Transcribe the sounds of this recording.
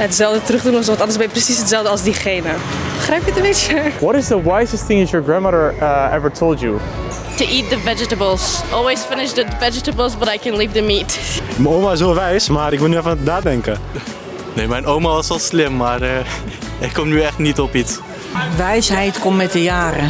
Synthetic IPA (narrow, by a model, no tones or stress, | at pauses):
ətsɛlˠdətɾəχdunɔsɔ̃ntɑndəɹsbɛprəsisɦətsɛlˠdəɑlˠzdiχejnəbəχɾɛjpjətə̃mbɪt͡ʃəwɔtɪzdəwajzəstθɪ̃ŋdɛtjəɹɡɹãndmaɾəɹɛvəɹtʰolˠtju | tuʔit̚dəvɛd͡ʒətəbəlˠsʔɔlˠwesfɪnɪʃdəvɛd͡ʒətəbəlˠsbətajkɛ̃nliːvðəmitmɛowmaɪsoʋɛjsmaːɾɪkʋɪlˠnyɛfannaːdɛŋkə | neːmɛjnowmaʋɑsɑlˠslɪmːaːrə | ɪkːɔmnyɛχtnitɔpits | ʋɛjsɦɛjtkɔmːɛtdəjaːrə